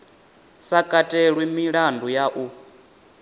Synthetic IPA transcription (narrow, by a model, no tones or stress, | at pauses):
sakʼatʼeɺwimiɺandujaʔu